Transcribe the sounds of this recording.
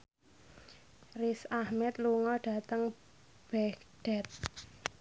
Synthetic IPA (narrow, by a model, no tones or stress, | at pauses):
risahmɛt̪luŋɔɖ̥ä̤t̪əŋ | b̥ɛkɖ̥ɛt̪̚